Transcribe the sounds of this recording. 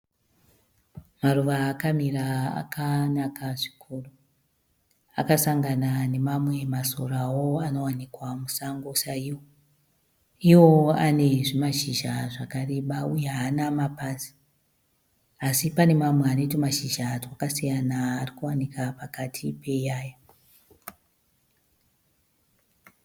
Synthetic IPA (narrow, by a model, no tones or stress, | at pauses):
maruʋaːkamiraa̰kanakaʐi̥kʰuru | akasaŋɡanane̞mamwe̞masorawoano̞wanikwamusaŋɡosaiwo | iwo̞ane̞ʐimaʃiʒaʐakare̞ɓaujeɦanamapasi̥ | asipane̞mamweano̞tamaʃiʒatwakasijanaːrikuwanikapakatʰipe̞jaːja